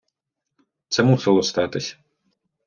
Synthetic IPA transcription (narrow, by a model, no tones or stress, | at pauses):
t̪sɛmusɪlˠɔst̪ɑt̪ɪsʲɐ̥